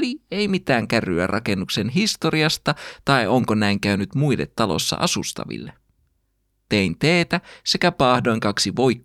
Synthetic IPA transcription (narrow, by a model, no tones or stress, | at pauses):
lie̞jmit̪æːŋkæryæ̰rʔɑke̞nːukse̞nɦist̪o̞ɾiɑst̪ɑt̪ɑio̞ŋko̞næiŋkæynyt̪muilːe̞t̪ːɑlo̰sːɑ̰ʔɑsust̪ɑ̰ʋḭlːe | t̪e̞int̪e̞ːt̪æse̞kæpɑːhdo̞iŋkɑksiʋo̞jkː